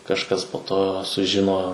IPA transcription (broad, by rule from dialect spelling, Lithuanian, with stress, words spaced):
kɐʃˈkɐs poː toː sʊˈʒʲɪnoː